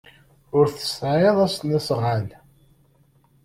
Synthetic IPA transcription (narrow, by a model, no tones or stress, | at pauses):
ʊɾθə̥sːʕeðˤæst̪nisˤʁal